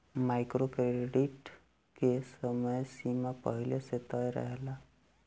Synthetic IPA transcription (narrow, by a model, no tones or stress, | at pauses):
majkɾokɾeɖiʈ | kesəməjsimapə̰ɦileset̪əjɾə̰ɦela